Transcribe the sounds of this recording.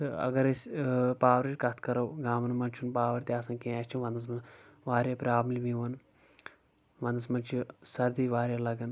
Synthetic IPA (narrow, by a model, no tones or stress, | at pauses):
t̪ɨɐ̰ɡɐɾesʲpaːʋɐɾt͡ʃʲkɐt̪ʰkɐɾɐwɡaːmɐnmɐnt͡ʃʰunpaːʋɐɾt̪ʲiaːsɐ̃nkẽːɐsʲt͡ʃʰunʋɐnd̪ɐs̬mɐnʋaːɾjapɾʲaːbmlʲiʋiʋɐn | ʋɐnd̪ɐsmɐnt͡ʃʰisɐɾd̪iːʋaːɾʲjalɐɡɐn